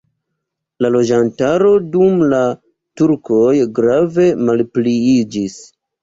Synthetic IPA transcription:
lalo̞d͡ʒantaɾo̞dumla | tuɾko̞jɡɾave̞malpliid͡ʒis

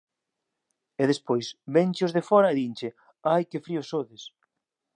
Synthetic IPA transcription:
ɛðespojsbenʲt͡ʃɪʊzðefɔɾɐeðint͡ʃɪ | ajkɪfɾiʊsoðɪs

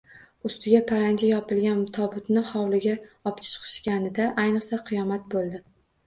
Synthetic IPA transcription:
ʊst̪ɪɡʲapʰaɾand͡ʒajɒpɪlɡʲant̪ʰɒbʊt̪nɪhɒwlɪɡʲaɒpt͡ʃʰɪ̥t͡ʃqʰɨ̥ʃkʲanɪd̪aʔajnɨqsaqʰɨjɒmat̪̚bolˠd̪ɪ

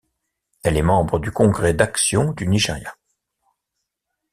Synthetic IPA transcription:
ɛlɛmɑ̃bʁəd̪ykɔ̃ɡʁɛd̪aksjɔ̃d̪yniʒeʁja

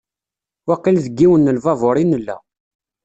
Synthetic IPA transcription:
wɑqːilðəɡːiwənːəlvɑvʊɾˤinəlːæ̰

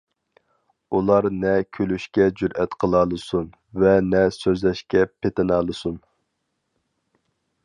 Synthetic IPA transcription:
ulˠɑɾnɛkʲʰølyʃkʲɛd͡ʒyɾɛt̪qʰəlˠɑlˠɨsun | vɛnɛsøzlɛʃkʲɛpʰet̪ʰɪnɑːlˠɨsun

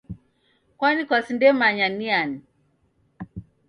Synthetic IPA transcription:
kwanikwasindɛmaɲaniani

